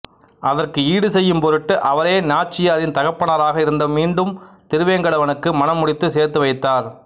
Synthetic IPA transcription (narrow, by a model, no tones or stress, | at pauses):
ʔɐðɐrkɯiːɽɯsɛjːɯmpɔɾɯʈːɯʔɐʋɐɾeːnaːt͡ʃːɪjaːɾɪnt̪ɐɣɐpːɐnɐɾaːɣɐɪɾɯnd̪ɐmiːɳɖɯmt̪ɪɾɯʋeːŋɡɐɭɐʋɐnɯkːɯmɐnɐmːʊɽɪt̪ːɯseːɾt̪ɯʋɐɪt̪ːaːɾ